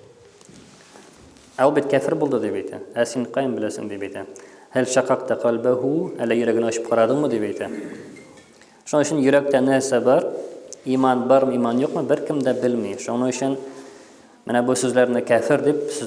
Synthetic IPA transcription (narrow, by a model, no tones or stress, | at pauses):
æulˠbit̪̚kæfɘɾbulˠd̪ɤd̪ipæjt̪ʰæ̰æsiɴqɑjɤmbɘ̆læsɘ̰ŋd̪ipæjt̪æhɘlʃɑqɑqt̪ɑqʰɒlbɘɦuælːæjɵ̆ɾæɡɘ̆næɒɕɤ̥p̚qʰɒɾɑd̪ɤmɤd̪ipæjt̪ʰæ | ʃŭnɤɵ̆ɕɘ̆njɵ̆ɾæk̚t̪ænɘɘsæbɑɾimɑnbɒɾmɤimɑnjuqmɤbɘɾkɘmd̪æbɘlmiʃunɤɵ̆ɕɘn | mɘnæbusʉzlæɾnɘkæfɘɾd̪ip̚sɘ